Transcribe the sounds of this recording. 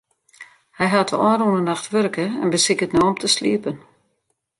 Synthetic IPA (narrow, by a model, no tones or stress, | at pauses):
hɛjɦatəɔːrunənaxtʋørkəɛ̰nbəsɪkətnoɔmtʰəslḭəpən